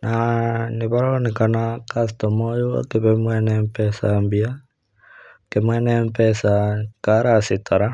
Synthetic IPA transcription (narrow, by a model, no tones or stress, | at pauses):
naniβaɾonikanakas̬t̪ɔmojua̰keβɛmwɛnɛmpɛsambia | kemwɛnɛmpɛsakaɾasit̪aɾa